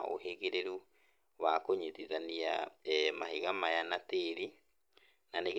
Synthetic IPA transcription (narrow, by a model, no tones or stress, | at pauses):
o̰ɦeɣeɾeɾu | wakoɲiðiðania̰mahiɣamajanateɾi | naneɣ